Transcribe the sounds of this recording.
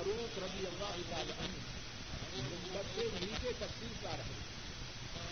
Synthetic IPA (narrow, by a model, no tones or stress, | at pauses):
ɾuːt̪ɾɐd̪ɪjɐlːaːɦʊt̪aːlaːʔɐn | mʊnk̪ət̪ːeɦiket̪ɐfsiːɾkaːɾɐɦe